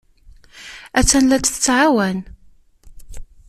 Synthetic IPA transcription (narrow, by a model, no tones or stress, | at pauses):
æt͡sːænlæt͡sθə̥t͡sːʕawæn